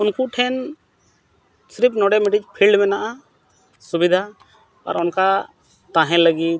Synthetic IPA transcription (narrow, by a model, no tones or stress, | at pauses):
unkuʈʰɛn | sɾip̚nɔɖɛmiʈit͡ʃpʰilɖmɛnaʔa | subid̪ʱa | a̰ɾɔnka | t̪ãɦɛ̃ləɡit̪̚